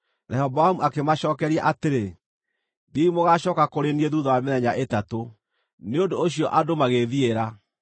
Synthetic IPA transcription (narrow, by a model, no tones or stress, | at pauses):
ɾɛhɔboamuakemaɕɔːkɛɾiaʔateɾe | biimoɣaʃɔːkakoɾenieðuːðɔwameðɛɲaʔetato | neondoːɕjɔʔadomaɣeðieɾa